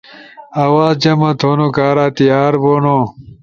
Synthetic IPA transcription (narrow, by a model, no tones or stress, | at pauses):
ɐːwaːzd͡ʑɐmɐt̪ʰoːnokaːɾaːt̪ijaːɾboːno